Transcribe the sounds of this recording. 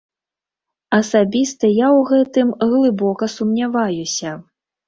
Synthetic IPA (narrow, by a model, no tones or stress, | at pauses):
ɐsabʲist̪ɐjawɣɛt̪ɨmɣlˠɨbɔkɐsumnʲavajusʲɐ